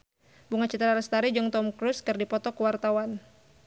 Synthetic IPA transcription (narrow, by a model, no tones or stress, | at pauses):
buŋat͡ʃit̪ɾaɾast̪aɾid͡ʒɔŋt̪ɔmkɾuskɨrdipɔt̪ɔkuwart̪awan